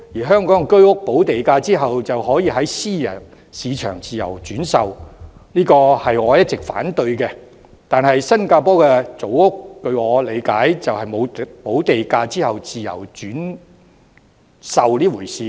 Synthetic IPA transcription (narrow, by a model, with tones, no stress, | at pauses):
jiː˨˩ɦœː˥ŋkɔː˨˥ŋkɵ˥ɥʊ˥k̚po˨˥wt̪e˨jkaː˧t͡siː˥ɦɐ˨wt͡sɐ˨whɔː˨˥jiː˨˧ɦɐ˨˥jsiː˥jɐ˨˩n | siː˨˧t͡ʃʰœː˨˩ŋt͡siː˨jɐ̰˨˩wt͡ʃyː˨˥nsɐ˨wniː˥kɔː˧hɐ˨jŋɔː˨˧jɐ˥t̚t͡sɪ˨k̚fa̰ː˨˥nt̪ɵ˧ɥkɛ˧ | t̪aː˨nɦɐ˨jsɐ˥nkaː˧pɔː˥kɛː˧t͡so˨˥wʊ˥k̚ːɵ˧ɥŋɔː˨˧le˨˧jkaː˨˥jt͡sɐ˨whɐ˨jmo˨˧wpo˨˥wt̪e˨jkaː˧t͡siː˥hɐ˨wt͡siː˨jɐ̰˨˩wt͡ʃyː˨˥n | sɐ˨wliː˥wuː˨˩jsiː˨˧